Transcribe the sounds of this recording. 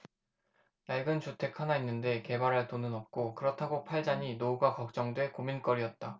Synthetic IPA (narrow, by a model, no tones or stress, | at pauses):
jaɭɡɯnt͡ɕutʰe̞kʰhanainːɯnde̞ke̞baɾɦaɭt͈onɯnʌp̚k͈okɯɾʌtʰaɡopʰaɭd͡ʑaɲinouɡakʌk̚t͡ɕ͈ʌŋdwe̞komink͈ʌɾiʌt̚t͈a